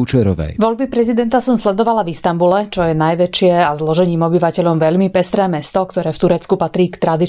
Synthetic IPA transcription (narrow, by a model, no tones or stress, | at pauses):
ut͡ʃɛɾɔ̰ʋɛ̰ʋɔʎbipɾɛzid̪ɛnt̪asɔmslɛd̪ɔʋalavist̪ambulɛt͡ʃɔjɛnajʋɛt͡ʃɪɛazlɔʒɛɲiːmɔbiʋacɛʎɔmʋɛʎmipɛst̪ɾɛːmɛst̪ɔkt̪ɔɾɛːft̪uɾɛt͡skupat̪ɾiːkt̪ɾad̪i